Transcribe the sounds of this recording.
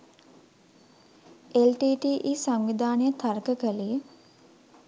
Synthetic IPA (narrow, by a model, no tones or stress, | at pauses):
elʈiːʈiːʔiːsaŋʋid̪aːnejət̪ʰarkəkəlijə